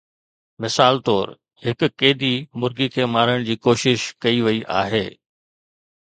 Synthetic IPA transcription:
mɪsaːlt̪ɔːɾ | ɦɪk̆keːd̪imʊɾɡikʰeːmaːɾəɽ̃d͡ʑiːkoːʃɪʃkɐiʋɐiʔa̰ːɦeː

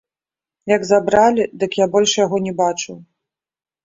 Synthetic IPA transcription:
jɐɡzabɾalʲid̪ɨkjabɔlʲʂjaɣɔnʲɛbat͡ʂɨw

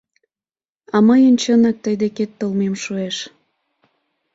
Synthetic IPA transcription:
ɑməjənt͡ɕənɑk̚t̪əjd̪eket̪ːəlmemʃueʃ

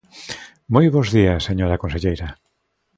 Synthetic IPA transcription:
mojβozðiɐsːeɲoɾakonseʎejɾa

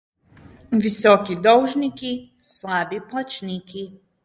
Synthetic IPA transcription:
ʋisokid̪owʒnikislˠaːbiplˠat͡ʃniki

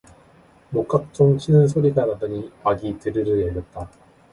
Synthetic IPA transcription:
mok͈ak̚t͡ɕ͈oŋt͡ɕʰinɯns̬ʰoɾiɡanadɯɲimaɡitɯɾɯɾɯɭjʌɭjʌt̚t͈a

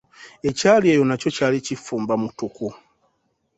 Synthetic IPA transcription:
e̞caːliejo̞naco̞caːlicifuːmbamutuku

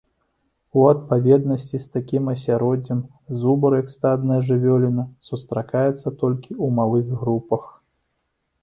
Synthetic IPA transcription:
uɐt̪̚pavʲɛd̪nɐsʲt͡sʲist̪akʲimɐsʲaɾɔd͡zʲɐm | zubɐɾjɐkst̪ad̪nɐjɐʐɨvʲɔlʲinɐsust̪ɾakajɛt̪sːɐt̪ɔlʲkʲiumalˠɨɣɣɾupɐx

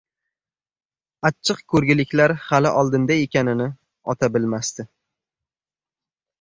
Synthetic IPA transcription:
at͡ʃʰːɨqkʰɵɾɡʲɪlɪkʲlaɾhalɪʔɒlˠd̪ɪnd̪aekʲanɪnɪ | ɒt̪ʰabɪlmast̪ɪ

